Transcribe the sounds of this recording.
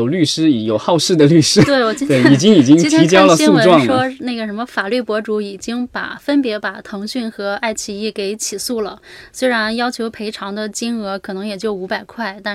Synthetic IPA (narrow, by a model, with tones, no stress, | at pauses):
ʊly˥˩ʂɻ̩˥˧˩jo˨˩ʊxɑ˥˧ʊʂɻ̩˥˩d̪ə˩ly˥˩ʂɻ̩˥t̪we˥˩ɪwɔ˨˩t͡ɕi˥t̪we˥˩i˨˩t͡ɕi˥ŋi˨˩t͡ɕi˥ŋ˥t̪ʰi˧˥t͡ɕjɑ˥lə˨isun˥˧wə˧ʈ͡ʂwɑ˥˧ŋʂwɔ˥na˥˩ɡə˩ʂə˧˥nmə˧fa˨˩ly˥˩pwɔ˧˥ʈ͡ʂu˧˥i˨˩t͡ɕi˥ŋpa̰˨˩fə˥npjɛ˧˥pa˨˩t̪ʰɤ˧˥ŋɕy˥˩nxɤ˧˥a˥˧ɪt͡ɕʰi˧˥˧i˥˩ke˧˥ɪt͡ɕʰi˨˩su˥˩lə˩swe˥ɪɻa˧˥njɑ˥ʊt͡ɕʰjo˧˥ʊpʰe˧˥ɪʈ͡ʂʰɑ˧˥ŋd̪ə˧t͡ɕi˥nɤ˧˥kʰɤ˨˩nɤ˧˥ŋjɛ˨˩t͡ɕjo˥˩ʊu˧˥pa˨˩ɪkʰwa˥˩ɪt̪a˥˧